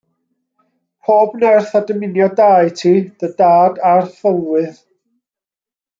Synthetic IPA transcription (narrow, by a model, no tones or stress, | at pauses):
pʰoːbnɛrθadəmɪnjɔdaːjtʰiːd̥ədaːdarθəlˠwɨð